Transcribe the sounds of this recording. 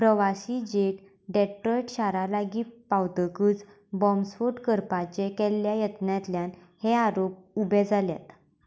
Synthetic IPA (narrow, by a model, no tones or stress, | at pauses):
pɾəʋaɕid͡ʑek | ɖɛʈɾɔjʈɕaɾalaɡiːpawt̪əkɨːt͡s | bɔmsfuʈkəɾpat͡ɕekɛlːjajət̪njat̪ljan | heaɾop̚ubɛd͡zʱalja̰t̪